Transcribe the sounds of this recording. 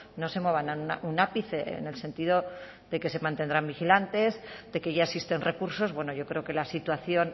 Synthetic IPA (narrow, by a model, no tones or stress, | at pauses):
no̞se̞mo̞β̞ananunaʔunapiθeḛne̞lse̞nt̪iðo̞ | ðe̞ke̞se̞mant̪e̞nd̪ɾambixilant̪e̞zðe̞keʝaesist̪e̞nre̞kuɾso̞zβwe̞no̞ʝo̞kɾe̞o̞ke̞lasit̪waθjo̞n